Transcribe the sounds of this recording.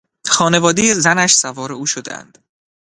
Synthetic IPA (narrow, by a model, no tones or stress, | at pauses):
xɒːne̞vɒːd̪ejezænæʃsævɒːɾe̞uːʃod̪ḛæ̰nd̪̥